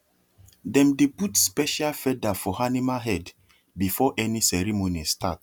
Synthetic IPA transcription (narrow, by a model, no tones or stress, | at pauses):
dɛ̃mdeputspɛʃalfɛdafɔhanimaɦɛd | bifɔʔɛnisɛɹimonistʰat